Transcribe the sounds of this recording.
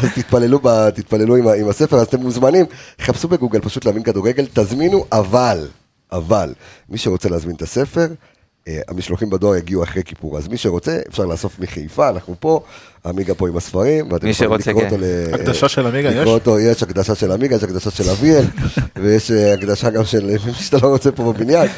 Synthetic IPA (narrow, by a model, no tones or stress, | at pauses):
azt̪it̪̚pale̞lubat̪it̪̚pale̞luimaimase̞fe̞ʁazat̪emuzmanimt̪eχapsube̞ɡuɡe̞lpaʃutleaminkaduʁeɡe̞lt̪azminuʔaval | ʔavalmiʃe̞ʁo̞t͡se̞leazminet̪ase̞fe̞ʁ | a̰miʃloχimbad̪o̞aʁjaɡiuaχʁekipuʁa̰zmiʃeʁo̞t͡se̞ḛfʃaʁlaːso̞fmiχejfaːnaχnupo̞ | amiɡapo̞imasfaʁimveat̪emilikʁootoleakd̪aaʃelamiɡaiʁot̪ojeʃakd̪aʃaʃelamiɡajeʃakd̪aʃaʃe̞lavielvejeʃakd̪aʃaɡamʃelmiʃat̪alo̞ʁot͡se̞po̞bebinjan